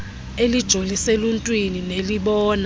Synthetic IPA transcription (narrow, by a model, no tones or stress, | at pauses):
elid̥ʒ̥ʱoliseluntʼwinineliɓɔːna